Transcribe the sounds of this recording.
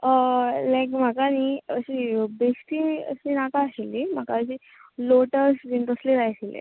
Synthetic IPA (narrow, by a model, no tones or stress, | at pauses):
əlajkm̤akaniəɕibesʈiə̰ɕiːnakaːɕilːim̤akaəɕiː | loʈəɾsiɳʈɾəsliɾajsilḛ